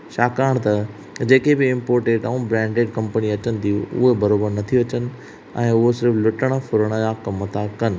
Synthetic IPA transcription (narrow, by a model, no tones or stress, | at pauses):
ʃaːkaːɽ̃t̪ɐ | d͡ʑeːkebɪɪ̃mpoːɾʈeːʈɐ̃ũbɾɛ̃ːɳɖeːɖkɐ̃mpəniɐt͡ɕənɪ̆t̪ʰiuʊ̰ɦebɐɾoːbəɾnɐt̪ʰiɐt͡ɕənɪ̆ | ɛ̰̃ːʊɦosɪɾəflʊʈəɽ̃fʊɾəɽ̃əd͡ʑakɐmət̪ʰakɐnɪ̆